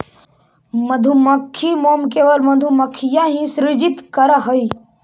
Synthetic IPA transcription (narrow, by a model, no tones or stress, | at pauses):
məd̪ʱumɐkʰːimoːmkeːʋəlmɐd̪ʱuməkʰːijãɦĩsɾɪd͡ʒit̪kəɾaɦəi